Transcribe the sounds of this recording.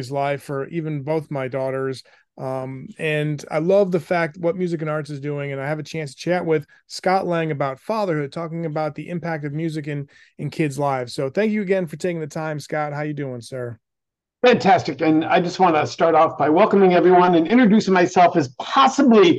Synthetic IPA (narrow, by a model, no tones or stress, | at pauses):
zlaɪfə˞ʔivɨ̃nboʊθmaɪdɔɾə˞z | ʔʌmɨ̃na̰ɪlʌvðɨfæk̚t̚wʌt̚mjʉzɨk̬ɨ̃nɑɹtsɨzdʉɪ̃ŋɨ̃naɪɨvɨt͡ʃʰæ̃nstʰɨ̥t͡ʃʰæʔwʔɪð̥ | skɑʔlɛ̃ŋɨbaʊtfɑðə˞hʊd̚tʰɔkɪ̃ŋɨbaʊt̪̚ðiʔɪ̃mpʰæk̚tʌvmjʉzɨkɨ̃n | ɨ̃nkʰɪdzlaɪfsoʊθæ̃ŋk̬jɨɨɡɛ̃nfə˞tʰeɪkɪ̃ŋðɨtʰãɪ̃mskɑt̚ɦaʊjɨdʉɪ̃ŋsɜ˞ | fæ̃ntʰæstɨkɨ̃na̰ɪd͡ʒʌst̚wɑ̃nɨstɑɹɾɔfb̥aɪwɛlˠkəmɪ̃ŋɛvɹiwʌ̃nɨ̃nɪ̃ntɹ̥ɨdʉsɪ̃ŋmaɪsɛlˠfɨz̥pʰɑsəbli